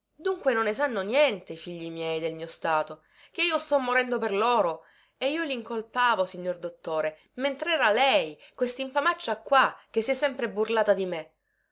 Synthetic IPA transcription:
d̪uŋkwenonːesanːonjɛnt̪efiʎːimjɛjd̪elmiːost̪aːt̪o | k̟eiːost̪ɔmːoɾɛnd̪operloːɾo | eiːoliŋkolpaːvosiɲːord̪ot̪ːoːɾe | ment̪ɾɛːɾalɛjkwest̪iɱfamat͡ʃːakːwak̟ːesːiɛsːɛmpɾeburlaːt̪ad̪ime

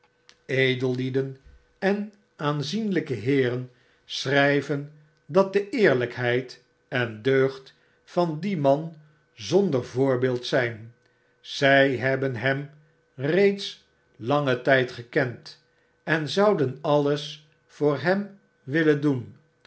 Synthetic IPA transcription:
ejdəlˠlidən | ɛn | aːnzinləkəɦɪːrən | srɛjvən | dɑt̚dəʔɪːɹləkɦɛjt | ɛndøɥχt | fɑndimɑn | zɔndəɹvʊːɹbɪːlˠtsɛjn | z̥ɛjɦɛbənɦɛm | rejts | lɑŋətɛjtχəkɛnt | ɛnzɑwdənɑləs | fʊːɹɦɛm | ʋɪləndun

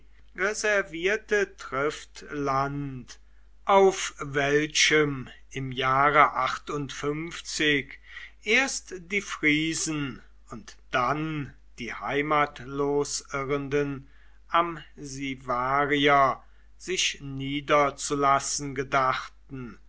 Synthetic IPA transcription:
ʁɛzɛɐviːɐtətʁ̥ɪftlant | ʔaʊfvɛlʃəmʔɪmjaːʁəʔaχtʊntfʏmft͡sɪkʔeːɐstd̥iːfʁ̥iːzn̩ | ʊntd̥an | d̥iːha̰ɪmaːtloːsʔɪʁəndən | ʔamzivaːʁiɐ | zɪʃniːdɐt͡sulasn̩ɡədaχtn̩

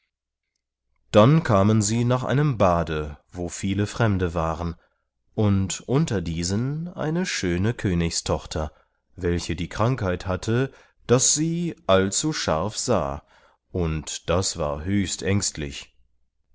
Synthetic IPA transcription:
d̥ankʰaːmənziːnaːχʔa̰ɪnəmbaːdəvoːfiːləfʁ̥ɛmdəvaːʁən | ʔʊntʔʊntɐdiːzənʔa̰ɪnəʃøːnəkʰøːnɪçstʰɔχtʰɐ | vɛlçədiːkʁ̥aŋkhaɪthatʰə | d̥asz̥iːʔalt͡suʃa̰ɐfz̥a̰ː | ʔʊntd̥asv̥a̰ːɐɦøːçstʔɛŋstʰlɪ̰ç

